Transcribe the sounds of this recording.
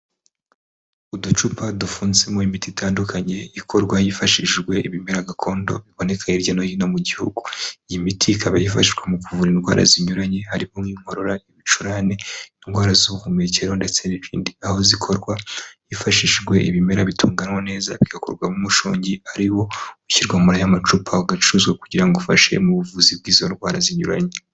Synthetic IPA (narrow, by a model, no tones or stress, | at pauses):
udut͡ʃupʰadufuːnzemoimititʰaːndukʰaɲe̞ikʰo̞ɾɡwajifaʃiʒɡwe̞ʔiβime̞ɾaɡakʰo̞ːndo̞̰βiβone̞kʰaɲiɾɟanojinomuɟihṵɡujimitʰikaβajifaʃiʒɡwamukuvuɾinɡwa̰ːɾʔa̰ziɲuɾaɲe̞haɾihomŋiːŋ̥hoɾoɾaiβit͡ʃuɾane̞inɡwaːɾazuukumiɾiceɾonde̞t͡se̞niβḭːndiaho̞zikʰo̞ɾɡwajifaʃiʃʒɡwe̞ʔiβime̞ɾaβitʰuːŋɡanwone̞ːza̰βiɡakoɾɡwamumuʃo̰ːɲɟiaɾiwo̞uciɾɡwamoɾajamat͡ʃupʰaɡat͡ʃuzwekuɟiɾaŋɡofaʃe̞̰muβuvuzib̚ɡiːzo̞nɡwaːɾaziɲuɾa̰ɲe